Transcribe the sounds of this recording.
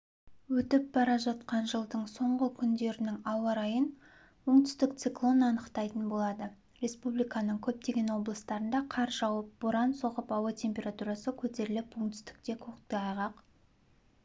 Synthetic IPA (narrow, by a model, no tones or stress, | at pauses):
wɵt̪ɪp̚bɑɾɑʒɑt̪qɑnʒəlˠd̪əɴso̞ɴʁəkʲʰʏnd̪e̞ɾɪnɪŋɑwɑɾɑjən | wo̞ɴt̪ʏst̪ɪk̚t̪siklˠo̞nɑnəqt̪ɑjt̪ənbo̞lˠɑd̪ə | ɾe̞spublijkɑnəɴkʲʰɵp̚t̪e̞ɡʲe̞nwo̞blˠəst̪ɑɾənd̪ɑqʰɑɾʒɑwəp̚b̥ʊɾɑnso̞ʁəpɑwət̪ʲʰe̞mpʲe̞ɾat̪uɾɑsəkʲʰɵt̪e̞ɾɪlɪpwoɴt̪ʏ̥st̪ɪ̥k̚t̪e̞kʲʰoqt̪t̪əɑjʁɑq